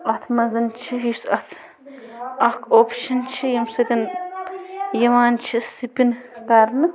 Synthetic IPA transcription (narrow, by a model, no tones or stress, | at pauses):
ɐt̪ʰmɐzɐnt͡ʃʰiɦisɐt̪ʰ | ɐkʰoːpʰʃɐnt͡ʃʰijɐmsɐt̪ʲɐn | jɐʋaːnt͡ʃʰisipinkaːɾnɨ